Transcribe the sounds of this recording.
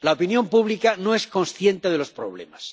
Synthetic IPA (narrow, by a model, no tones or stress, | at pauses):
laopinjompuβlikano̞e̞sko̞nsθje̞nt̪eð̞e̞lo̞spɾo̞̰β̞le̞̰mas